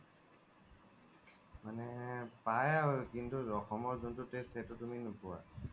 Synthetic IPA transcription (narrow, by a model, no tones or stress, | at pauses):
manɛpajaɔjkintuɔxɔmɔɹzuntʊtestʰhɛtʊtuminʊpuwa̰